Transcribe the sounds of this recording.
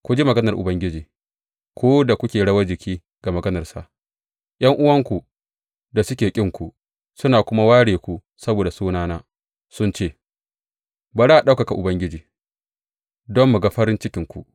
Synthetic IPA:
kʷʊ˨d͡ʒi˦mɐ˨ɡɐ˦nɐ˨rʔʊ˨bɐ˦ŋɡʲɪ˦d͡ʒiː˨ | kʷʰoː˦da˨kʷʊ˦kʲeː˨ɽɐ˦wɐ˦d͡ʒɪ˨kʲʰiː˦ | ɡ̥a˨mɐ˨ɡɐ˦nɐ˨rsa̰˨ʔ | ʔj̰ɐ˦ŋʔʊ˦wɐ˦ŋkʷu˨ | da˨sʊ˦kʲeː˨kʲʼɪ˦ŋkʷu˨ | sʊ˦naː˨kʷʊ˦ma˦waː˦ɽeː˨kʷu˦˨ | sɐ˦boː˨da˨suː˦naː˦naː˦ | sʊ˦nt͡ʃeː˦˨ | ba˨ɾa˦˨ɗa˦ka˨ka˨ʔʊ˨bɐ˦ŋɡʲɪ˦d͡ʒiː˨ | dɔ˦mːu˨ɡa˦ɸɐ˦ɾɪ˦nt͡ʃɪ˦kʲɪ˨ŋkʷṵ˨

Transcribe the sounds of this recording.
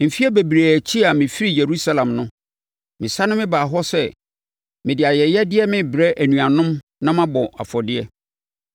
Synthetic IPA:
m̩˨fi˦ɛ˦be˨bɾe˨æ˨t͡ɕʰi˦a˨mɪ̃˨fi˦ɾi˦˨je˨ɾu˦sa˦lã˨mnʊ̃˦ | mɪ̃˨sa˦nʊ̃˦mɪ̃˦baː˨ɦɔ˦sɛ˦˨ | mɪ̃˨dɪ˨a˨jɛ˨jɛ˦dɪ˦ɛ˦mɪ̃˦bɾɛ˦ʔæ˨nũ˨a˨nʊ̃˦m | nã˦mã˦bɔ˨ʔa̰˨fɔ˨dɪ˦ɛ˦

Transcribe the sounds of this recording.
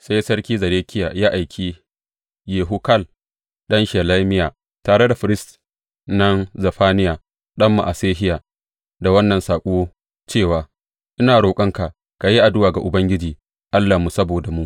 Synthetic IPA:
sa˦jsɐ˦ɽkʲiː˦zɐ˨ɾeː˦kʲʰɪ˦jaː˨jaː˦ʔa˨jkʲʰiː˦ | jeː˨ɦu˦kɐ˦˨l | ɗɐ˦nʃeː˨la˦mɪ˦jaː˨ | taː˨ɽe˦da˨ɸɪ˨ɾɪ˦st | nɐ˦nzɐ˨ɸaː˦nɪ˦jaː˨ | ɗɐ˦mːa̰˨ʔa˨seː˦ɦɪ˦jaː˨ | da˨wɐ˦nːɐ˨nsaː˨kʷʼu˦o˦ | t͡ʃeː˦˨waː˨ | ʔɪ˦naː˨ɽoː˨kʼɐ˦ŋka˨ʔ | ka˨ji˦ʔa˨dʊ˦waː˨ɡa˨ʔʊ˨bɐ˦ŋɡʲɪ˦d͡ʒiː˨ | ʔa˦lːa˨mu˨sɐ˦boː˨da˨mu˦ʔ

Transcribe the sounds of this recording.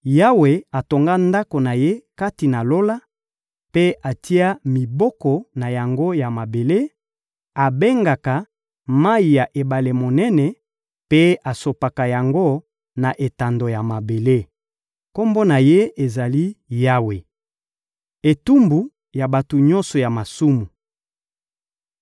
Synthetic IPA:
ja˦we˨a˨to˨ŋɡa˦nda˦ko˨na˨je˦ka˦ti˨na˨lo˦la˦ | pe˦ʔa˨ti˦a˦mi˨bɔ˦kɔ˨na˨ja˨ŋɡo˦ja˨ma˨be˨le˦ | a˨be˦ŋɡa˨ka˨ | ma˦i˨ja˨ʔe˨ba˨le˨mo˨nɛ˦nɛ˨ | pe˦a˨so˨pa˨ka˨ja˨ŋɡo˦ | na˨ʔe˨ta˨ndo˨ja˨ma˨be˨le˦ | ko˦mbo˦na˨je˦e˨za˨li˦ja˦we˨ | e˨tu˦mbu˨ | ja˨ba˨to˨ɲɔ̃˦nsɔ˨ja˨ma˨su˦mu˨

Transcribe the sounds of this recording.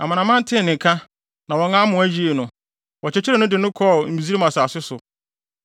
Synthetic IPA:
a̰˨mã˨nã˨mã˦n̩˦tʰɪ̃˦˨nɪ̃˨kʰa˦ | nã˨wɔ˨˦ŋã˦mʊ̃˨æ˦d͡ʑi˦e˨nʊ̃˨ | wɔ˨t͡ɕɛ˨t͡ɕʰɪ˦ɾɛ˨nʊ̃˦dɪ˨nʊ̃˦kʰɔ˦˨m̩˨bi˨zi˦ɾe˦mã˨sa˨sɪ˦sʊ˨

